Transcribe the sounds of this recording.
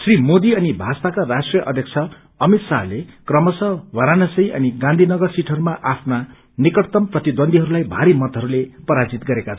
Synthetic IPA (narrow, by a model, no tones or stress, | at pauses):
srimod̪iʌnibʱast̪akarasʈrijʌʔʌd̪ʱjʌk̚t͡sʰʌ | ʌmit̪saɦlekrʌmʌsʌwʌɾanʌsʌjʔʌ̰niɡãnd̪ʱinʌɡʌrsiʈʰʌɾumaʔapʰna | nikʌʈt̪ʌmprʌt̪id̪wʌnd̪ʱiɦʌɾulajbʱaɾimʌt̪ɦʌɾulepʌɾad͡zit̪ɡʌɾekat͡sʰ